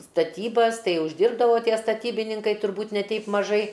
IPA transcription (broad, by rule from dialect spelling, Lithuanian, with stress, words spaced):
stɐˈtʲiːbɐs ˈtɐɪ ʊʒʲˈdʲɪrbdɐʋoː ˈtʲiɛ stɐˈtʲiːbʲɪnʲɪŋkɐɪ tʊrˈbuːtʲ nʲɛ ˈtʲɛɪp mɐˈʒɐɪ